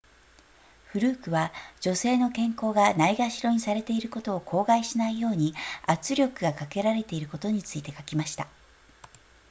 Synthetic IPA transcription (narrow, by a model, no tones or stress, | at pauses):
ɸɯ̟ɾɯ̟ːkɯ̟βad͡ʑo̞se̞ːno̞kẽ̞ŋko̞ːɡanaiɡaɕiɾo̞ɲ̟isaɾe̞t̪e̞iɾɯ̟ko̞t̪o̞ːkʰo̞ːɡaiɕinaijo̞ːɲ̟iat͡sɨɾʲo̞kɯ̟ɡakake̞ɾaɾe̞t̪e̞iɾɯ̟ko̞t̪o̞ɲ̟it͡sɨit̪e̞kakʲimaɕi̥t̪a